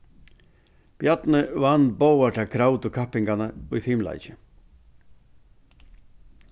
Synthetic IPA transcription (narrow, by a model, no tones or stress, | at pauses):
b̥jat̪nəvanbowaʈ̪akʰɾawt̪ʊkʰapɪŋkanaʊjfimla̰jt͡ɕɪ